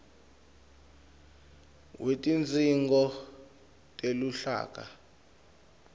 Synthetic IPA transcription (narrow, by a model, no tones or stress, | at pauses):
wetʼind͡zʼiŋɡɔ | tʼeluɬa̰ːk̬ʼa̰